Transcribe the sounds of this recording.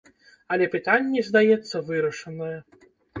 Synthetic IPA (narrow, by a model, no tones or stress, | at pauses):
ɐlʲɛpɨt̪anʲːɛzd̪ajɛt̪sːɐvɨɾɐʂɐnɐjɛ